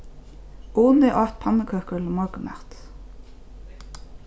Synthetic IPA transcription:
uːnd̪eːʔɑːt̪̚pʰɑnəkʰøkʉːləmɔɡəmæ̰ʁt̪

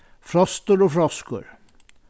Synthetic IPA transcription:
fɾɑst̪əɾoːfɾɑskə̰ɾ

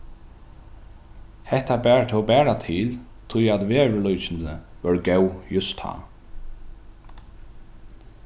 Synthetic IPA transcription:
hɛht̪abɛːɹt̪ʰɛɔbɛːɹat̪ʰɪːl | t̪ʰʊjat̪ʋeːɹɪlɔjt͡ʃɪnəʋœɹɡɛwjʊst̪ha̰ː

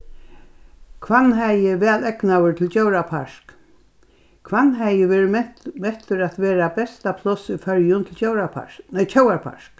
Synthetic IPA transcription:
kʰvanːɦæjɪʋɛːlɛknawɪɹt̪ʰɪlt͡ʃowɾapʰaʂk | kʰʋanːɦæjɪʋeːɾmɛht̪ʏɾat̪ʋɛːɾabɛst̪apʰlɔsifœɹjʊnt̪ʰɪlt͡ʃowɾapʰa̰ɹnɛt͡ʃʰowapʰa̰ʂk

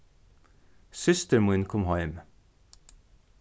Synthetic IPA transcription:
sʏst̪əɹmʊnkʰɔmhɑɪm

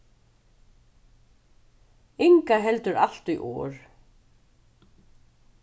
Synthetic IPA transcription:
ɪŋkaɦɛlt̪ʏɾa̰l̥t̪iʔɔ̰ːɹ

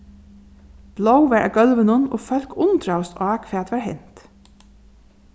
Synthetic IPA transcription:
b̥lowʋɛɹʔa̰ɡœlʋənʊnɔfœlkʊnt̪ɹawst̪ɑːkʰfɛːt̪ʋɛːɹhɦɛ̰n̥t̪

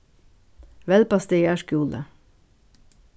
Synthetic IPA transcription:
ʋɛlpɑst̪ejæʃkuːlə̰

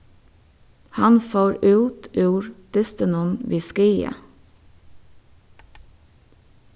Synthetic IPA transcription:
hɑnfoːɾʉːt̪ʉːɹd̪̥ɪst̪ənʊnʋiːskiːə̰

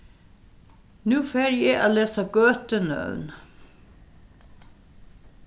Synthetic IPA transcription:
nʉːfeːɾjeːʔɑleːsɑɡ̥øːt̪ənœ̰ʉn

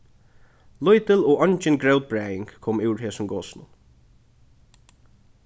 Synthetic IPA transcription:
lʊjt̪ɪlɔːɔɲt͡ʃɪnɡɹɛwt̪̚bɹɛːjɪŋkkʰɔːmɪwɹɦɛːsʊmɡɔːsnʊ̰n

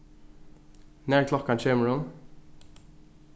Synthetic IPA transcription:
næːɹkʰlɔkːɑnt͡ʃeːməɹʊm

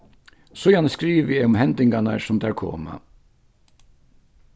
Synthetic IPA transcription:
sʊjanskɾiːʋəɛʊmhɛnt̪ɪŋkana̰sʊmd̪æɹkʰo̰ːma̰

